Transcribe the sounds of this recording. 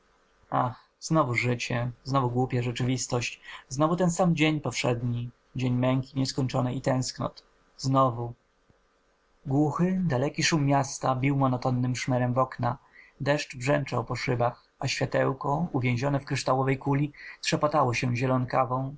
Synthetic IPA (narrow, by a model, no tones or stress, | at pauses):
ax | znɔvuʐɘt͡ɕɛznɔvuɡwupʲjaʐɛt͡ʂɘvʲist̪ɔɕt͡ɕznɔvut̪ɛnsamd͡ʑeɲpɔfʂɛd̪ɲi | d͡ʑeɲmɛŋkʲiɲɛskɔɲt͡ʂɔnɛit̪ɛ̃w̃sknɔ̰t̪ | znɔvu | ɡwuxɘd̪alɛkʲiʂumːjast̪abʲiwmɔnɔt̪ɔnːɘmʂmɛɾɛmvɔkna | d̪ɛʂt͡ʂbʐɛnt͡ʂawpɔʂɘbax | aɕfʲjat̪ɛwkɔuvʲjẽw̃ʑɔnɛfkɾɘʂt̪awɔvɛjkulʲitʂɛpat̪awɔɕɛʑɛlɔnkavɔ̃w̃